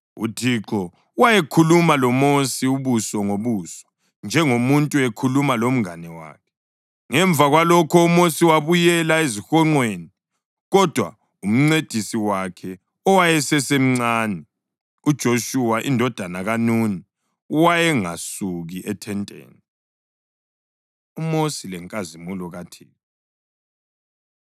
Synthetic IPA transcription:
ṵtʰiǁɔ | wajekʰulumalɔmosiuβusɔŋoβuːsɔ̥ | nd͡ʒʱɛŋomuntʼuɛkʰulumalom̩ŋanɛwa̰ːkʰɛ | ŋɛɱb̪vʱaɣwalɔkʰɔumosiwaβujɛlaezixɔŋ͡ǃweːni | ɣɔd̥ʱwa̰ | um̩ŋ͡ǀed̥ʱisiwakʰɛ | ɔwajɛsɛsem̩ŋ͡ǀaːnɛ | ud̥ʒ̥ʱoʃuwaʔindʱɔd̥ʱanaɣanuni | uwajɛŋa̰suɣiʔɛtʰɛntʼḛːni | umosilɛŋkʼazimulɔɣatʰiː

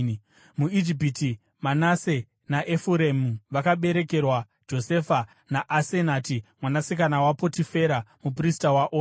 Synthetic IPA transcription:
muid͡ʒip̬iti | manase̞ | naʔefuɾemuʋakaɓe̞ɾe̞ke̞rwa | d͡ʒo̞se̞ːfa | naʔːsenatimwanasik̬anawapo̞tife̞ɾamup̬ristawaʔoː

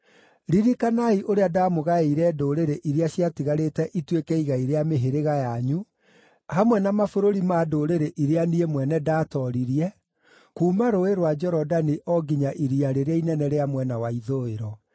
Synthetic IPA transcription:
ɾiɾikanaiʔoɾeadaːmoɣaeiɾɛːdoːɾeɾeʔiɾeaɕjatiɣaɾetɛʔitwekɛiɣaiɾeameɦeɾeɣajaɲu | hamwɛnamafoɾoɾimaːdoːɾeɾeʔiɾeaniemwɛnɛdaːtɔɾiɾiɛ | kuːmaɾoeɾwad͡ʒɛɾɔdaniʔɔɡiɲaʔiɾiaɾeɾeainɛnɛɾeamwɛnawaiðoeɾɔ

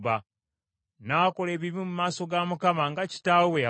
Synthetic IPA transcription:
βa | nako̞leːβiβimumaːso̞ɡamukamaŋɡaci̥taːwwea

